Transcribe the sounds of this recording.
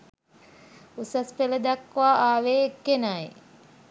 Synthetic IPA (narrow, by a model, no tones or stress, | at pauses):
usaspeləd̪akːʋaːaːʋeːekːenaje